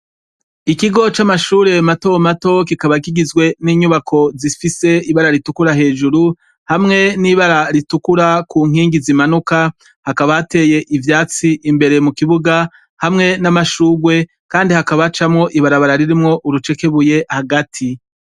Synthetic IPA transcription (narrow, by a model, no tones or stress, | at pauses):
ikiɡo̞t͡ʃamaʃuːɾe̞mato̞mato̞kikaβakiɡizɡwe̞niːɲuβakʰo̞zifise̞iβaɾaɾitukuɾaɦe̞ːd͡ʒuɾu | hamŋe̞niβaɾaɾitukuɾakuŋ̥iːŋɡizimanuka | hakaβaate̞je̞ʔivjaːt͡siʔimbe̞ɾe̞mukiβuɡa | hamŋe̞namaʃuːɡwe̞ | kaːndihakaβat͡ʃamŋo̞ʔiβaɾaβaɾaɾiɾimŋo̞ʔuɾut͡ʃe̞ke̞βuje̞haɡatʰi